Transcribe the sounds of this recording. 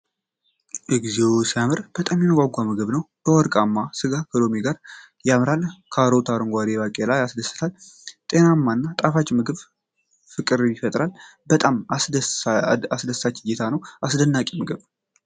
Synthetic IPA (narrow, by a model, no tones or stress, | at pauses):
ʔɨɡzewsijamɨɾb̥ət̪ʼamjɛnɡʷaɡʷamɨɡɨβnəw | b̥əwɔɾkʼamːasɨɡakʰəd̪o̞miɡaɾ | jamɾalkʰaɾot̪ʰaɾɨŋɡʷad̪eβakʼelajasd̪əsɨ̥t̪ʰal | t̪ʼe̞namːaɨnːat̪ʼafat͡ʃːmɨɡɨβ | fɨkʼɨɾjɪfət̪ʼɾalbət̪ʼam | asd̪əsːat͡ʃːɪjet̪ʰanəwʔasd̪ənːakʼimɨɡɨβ